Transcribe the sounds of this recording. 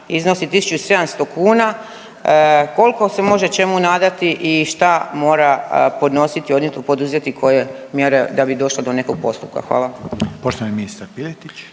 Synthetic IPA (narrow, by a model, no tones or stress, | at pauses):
izno̞sit̪isu̥t͡ʃuise̞d̪amst̪o̞kuːna | ko̞lko̞se̞mo̞ʒe̞t͡ʃe̞munaːd̪at̪iʔiʃt̪amo̞ːɾapo̞d̪no̞sit̪io̞d̪net̪opo̞d̪uzjet̪ikʰo̞je̞mjeɾe̞d̪abid̪o̞ʃled̪o̞ne̞ko̞ɡ̥̚po̞st̪up̚ka̰xʋa̰ːlˠapoʃt̪oʋaniminist̪aɾpilet̪it͡ɕ